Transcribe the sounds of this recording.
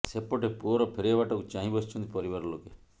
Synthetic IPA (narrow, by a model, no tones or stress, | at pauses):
sepɔʈepuɔɾɔpʰeɾiabaʈɔkut͡ʃaɦĩbɔst͡ʃʰɔnt̪ipɔɾibaɾɔloke